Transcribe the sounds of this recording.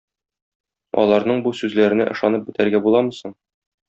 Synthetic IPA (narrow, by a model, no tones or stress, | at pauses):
ɒ̰lˠɑɾnɤɴbusʉzlæɾɘ̆nɘ̰ʔɤ̆ʃɑnɤp̚bɘ̆t̪æɾɡæbulˠɑmɤ̆sɤɴ